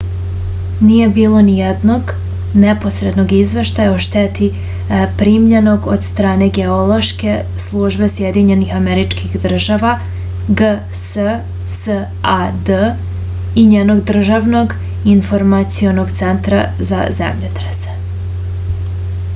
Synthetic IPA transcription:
nije̞biːlˠo̞nijed̪no̞ɡ | nepo̞sɾe̞d̪no̞ɡizʋe̞ʃt̪ajaoʃt̪et̪i | pɾiːmʎeno̞ɡod̪st̪ɾaːne̞ɡe̞olˠo̞ʃke | slˠuːʒbe̞sjed̪iɲe̞nixameɾit͡ʃkixd̪r̩ʒaʋa | ɡə | sə | sə | ad̪ə | iɲeːno̞ɡd̪r̩ʒaʋno̞ɡ | infoɾmat̪sio̞no̞ɡt̪se̞nt̪ɾa̰za̰zḛmʎut̪ɾese̥

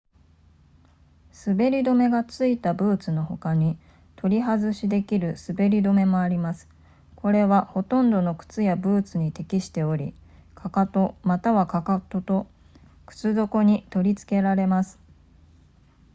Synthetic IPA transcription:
sɨbe̞ɾʲid̪o̞me̞ɡat͡sɨit̪abɯ̟ːt͡sɨno̞ho̞kaɲ̟i | t̪ʰo̞ɾʲiɦazɨɕid̪e̞kʲiɾɯ̟sɨbe̞ɾʲid̪o̞me̞mo̞aɾʲimasɨ̥ | kʰo̞ɾe̞βaho̞t̪õ̞nd̪o̞no̞kɯ̟̥t͡sɨjabɯ̟ːt͡sɨɲ̟it̪e̞kʲiɕi̥t̪e̞o̞ɾʲḭkʰakat̪o̞mat̪aβakakat̪o̞t̪o̞ | kɯ̟̥t͡sɨd̪o̞ko̞ɲ̟it̪o̞ɾʲit͡sɨ̥ke̞ɾaɾe̞masɨ̥

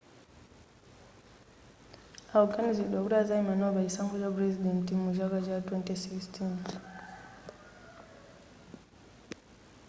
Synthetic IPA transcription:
awkaniziɗɔkɾazaimanɔvaisaŋɡɔd͡ʒabɾɛzidɛntimuʒaɡad͡ʒatwɛntisikstin

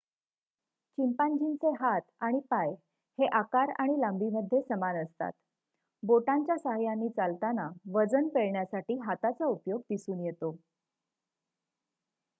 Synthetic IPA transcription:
t͡ɕimpand͡ʑʱint͡seɦat̪aɽ̃ipaj | heʔakaɾa̰ɽ̃ilambʱiməd̪ʱjesəmanəst̪a̰t̪ | boʈaɲt͡ɕjasəɦajanːiːt͡salt̪anaʋəd͡zənpeɭɳjasaʈiːɦat̪at͡saupjoɡd̪isuːnjet̪o

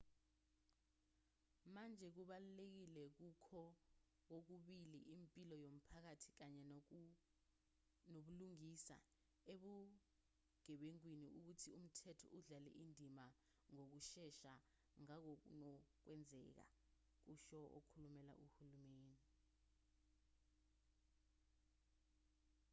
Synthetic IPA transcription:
mand͡ʒʱɛk̬uɓalulek̬ilɛk̬ukʰɔ | k̬ok̬uɓiliʔimpʼilɔjom̩pʰak̬atʰi̥k̬aɲɛ | noɓuluŋisa̰ | eɓu | ɡ̥ʱɛɓeŋk̬winiʔuk̬utʰium̩tʰɛtʰɔ̰ʔuɮalɛ̰ʔindʱima | ŋok̬uʃɛʃa | ŋak̬ɔk̬ṵnɔk̬wɛnd͡zʱɛk̬a̰ | k̬uʃɔʔo̰kʰulumɛla̰ʔuhulumeːni

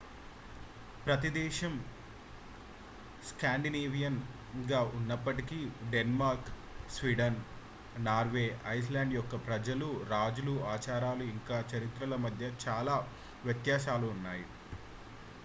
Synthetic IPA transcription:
pɾɐt̪id̪ɛːʃɐm | skaːɳɖineːʋijɐn | ɡaːʔunːɐpːɐʈikiɖenmaːɾk | sʋiːɖɐn | naːɾʋeːʔɐjs̬laːɳɖjɔkːɐpɾɐd͡ʒɐluɾaːd͡ʒuluaːt͡ʃaːɾaːluiŋkaːt͡ʃɐɾit̪ɾɐlɐmɐd̪ʱjɐt͡ʃaːlaː | ʋjɐt̪jaːʃaːluːnːaːjḭ

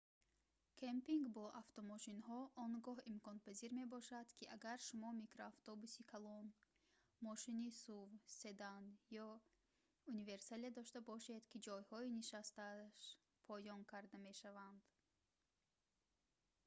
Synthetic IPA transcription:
kʰempiŋɡbɔʔaft̪ɔmɔʃinhɔʔɔŋɡɔɦimkɔnpʰaziɾme̞bɔʃad̪kʰiʔaɡaɾʃumɔmikɾoaft̪ɔbusikʰalɔn | mɔʃinisuvse̞d̪anjɔ | unive̞ɾsaliad̪ɔʃt̪abɔʃe̞d̪kid͡ʒɔjhɔiniʃast̪aʃ | pʰɔjɔŋkʰaɾd̪ame̞ʃavand̪̥

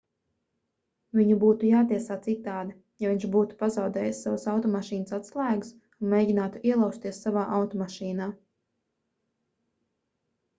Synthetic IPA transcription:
vʲiɲubuːt̪ujaːt̪iɛsaːt̪sit̪ːaːd̪a | javʲiɲʃbuːt̪u̥pazawd̪ɛːjsːavasawt̪ɔmaʃiːnəsat̪slˠæːɡus | unmʲejɟʲinaːt̪uʔiɛlˠawst̪iɛsːavaːʔawt̪ɔmaʃiːnaː

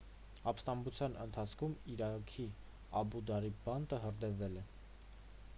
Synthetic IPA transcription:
ɑpst̪ɑmbut͡sʰjɑnənt̪ʰɑt͡sʰkʰumiɾɑkʰi | ɑbud̪ɑɾibɑnt̪əɦəɾd̪ɛvɛlɛ

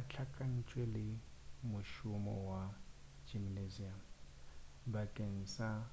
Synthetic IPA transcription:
at͡ɬʰakʼan̩t͡ʃʼwelɪmʊʃʊmɔ̰wad͡ʒimnezia | bakʼen̩sa

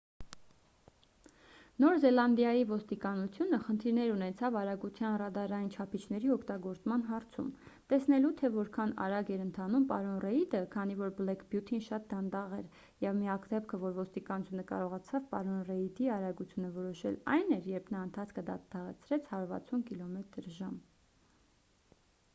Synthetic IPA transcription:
nɔɾzɛlɑnd̪jɑjivɔst̪ikɑnut͡sʰjunəχənt̪ʰiɾnɛɾunɛt͡sʰɑvɑɾɑɡut͡s̪ʰjɑnrɑd̪ɑɾɑjint͡ʃʰɑpʰit͡ʃʰnɛɾiɔkʰt̪ɑɡɔɾt͡smɑn̪ɦɑɾt͡sʰṵmt̪ɛsnɛlut̪ʰɛvɔɾkʰɑnɑ̰ɾɑɡɛɾənt̪ʰɑnumpɑɾɔnrɛid̪əkʰɑn̪ivɔɾblɛkʰbjut̪ʰinʃɑt̪̚d̪ɑnd̪ɑʁɛ̰ɾ | jɛvmiɑkd̪ɛp̚kʰəvɔɾvɔst̪ikɑnut͡sʰjunəkɑ̰ɾɔʁɑt͡sʰɑvpɑɾɔnrɛid̪iɑɾɑɡut͡sʰjunəvɔɾɔʃɛ̰lɑ̰jnɛɾjɛɾpʰnɑənt̪ʰɑt͡sʰkʰəd̪ɑt̪ʰɑʁɛ̰t͡sʰɾɛt͡sʰhɑɾvɑ̰t͡sʰunkilɔmɛt̪əɾʒɑm

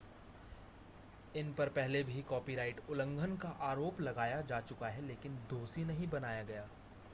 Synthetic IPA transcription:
ɪnpɐɾpɛɦlebʱikɔːpiɾaːɪʈʊlə̃ŋɡʱənkaʔaːɾoːplɐɡaːjad͡ʒaːt͡ʃʊkaɦɛleːkɪnd̪oːsinɐɦĩbɐnaːjaɡɐjaː

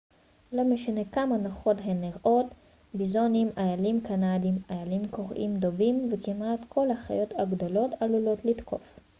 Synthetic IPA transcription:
lo̞meʃane̞kamanaχo̞tɦenːiʁʔo̞t | bizo̞nimʔajalimkanadimajalimko̞ʁʔḭmdo̞vimvekimatkʰo̞lhaχa̰jo̞taɡdo̞lo̞talulo̞tlitkʰo̞̰f

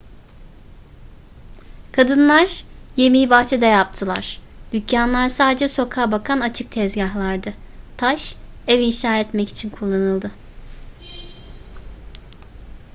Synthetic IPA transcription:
kʰad̪ɯnlˠaɾ̥je̞mijibaxt͡ʃʰɛd̪ajap̚t̪ʰɯlˠa̰ɾ̥d̪̥ycːanlˠaɾsaːd̪ed͡ʒɛso̞kʰaːbakʰanat͡ʃʰɯk̚t̪ʰɛzɟaɦlˠaɾd̪ɯt̪ʰaʃ | ɛvinʃaːɛt̪mɛci̥t͡ʃʰinkʰulˠːanɯlˠd̪ɯ

